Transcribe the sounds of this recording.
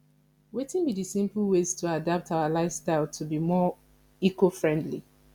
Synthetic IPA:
wetĩnbidisĩmpl̩ˠwez̥tʰuadap̚tʰaʊalaɪfstaɪlˠtʰubimɔ | ikofɹɛ̃ndlḭ

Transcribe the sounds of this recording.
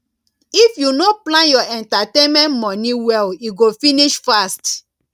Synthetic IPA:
ifjunoplãnjɔɛ̃ntatẽnmɛ̃ntmɔniwɛliɡofiniʃfast

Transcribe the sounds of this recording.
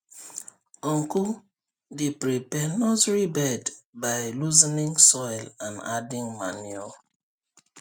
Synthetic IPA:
ɔ̃ŋku | depɹipɛnɔtɹibɛdbaɪluzinĩŋsɔjlãna̰dĩŋma̰nuɔ

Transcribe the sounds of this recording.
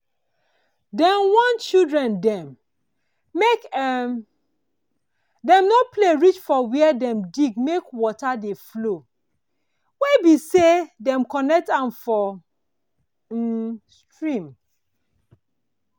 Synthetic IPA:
dɛ̃nwãnt͡ʃildɹɛ̃ndɛ̃m | ek | dɛ̃mnɔpleɹit͡ʃfɔwɛɛdɛ̃mdiɡmekwɔtadeflo | webisedɛ̃mkɔnɛk̚tãnfɔ | stɹĩm

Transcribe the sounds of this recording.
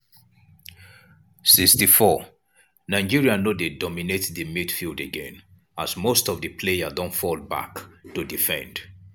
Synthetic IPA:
sikstifɔ | naɪd͡ʒiɹianodedɔminetðəmidfilˠdeɡɛ̃n | asmostɔvðəpʰlejadɔ̃ntfɔlˠba̰ktudifɛ̰̃nd̥

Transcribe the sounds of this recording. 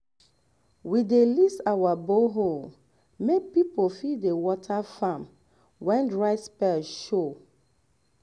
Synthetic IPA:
widelisawaboɦol | mek̚pipolfiewɔtʰafãm | wɛ̃ndɹaɪspɛʃo

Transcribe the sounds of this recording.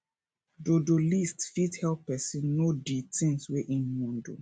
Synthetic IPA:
dodolistfithɛlppɛsĩnːoditĩŋsweʔĩnmɔ̃ndo̰

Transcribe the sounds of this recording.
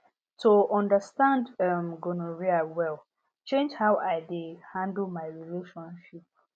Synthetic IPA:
toʔɔ̃ndəstãndmɡonoɹiawɛl | t͡ʃẽnd͡ʒhaʊaɪdihãndl̩ˠmaɪɹileʃɔ̃nʃip̚

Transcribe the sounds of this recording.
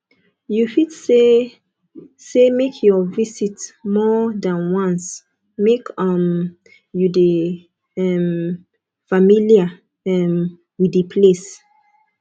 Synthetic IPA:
jufidse | semekʰjɔvisitmɔdãnwɔ̃ns | mekʌm | jude | ɛm | familia | ɛm | widəpʰles

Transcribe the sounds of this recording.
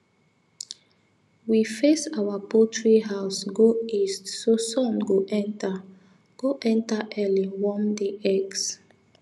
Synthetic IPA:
wifesawapotʰɹiɦaʊsɡoistsosɔ̃mɡoʔɛ̃nta | ɡ̥oʔɛ̃ntaʔɛlĩwɔmdeʔɛks

